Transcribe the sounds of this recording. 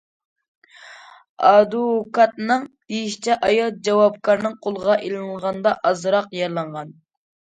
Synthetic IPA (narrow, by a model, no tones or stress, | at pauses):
ɑd̪ukɑt̪̚nɨŋd̪̥ejiʃt͡ʃʰɛʔɑjɑlˠd͡ʒɑwɑpkʰɑɾnɨŋqʰolˠəʁɑʔelˠŋʁɑnd̪ɑʔɑzɾɑqjɑɾlˠɑɴʁɑn